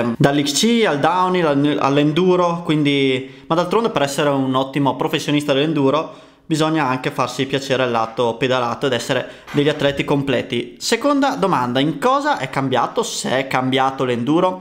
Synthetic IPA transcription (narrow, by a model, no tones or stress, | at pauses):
d̪alːikt͡ʃiald̪awnilaa̰lːend̪uːɾokwind̪i | mad̪alt̪ɾond̪epeɾɛsːeɾeunɔt̪ːimopɾofesːjonist̪ad̪elend̪uːɾo | bizɔɲːaaŋkefarsipjat͡ʃeːɾealːaːt̪oped̪alaːt̪oed̪ɛsːeɾed̪eʎːat̪ːlɛt̪ikomplɛ̰ːt̪isekond̪ad̪omand̪aiŋkɔːzaʔɛkːambjaːt̪oseɛkːambjaːt̪olend̪uːɾo